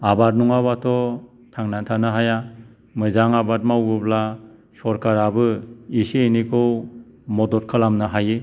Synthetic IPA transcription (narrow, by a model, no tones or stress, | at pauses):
abat̚nuŋabβatʰɔ | tʰaŋnantʰanɯɦaja | mɯzaŋabat̚mawɡɯbla | sɔɾkaɾabɯisienikʰɯwmɔdɔɾkʰalamnɯɦaje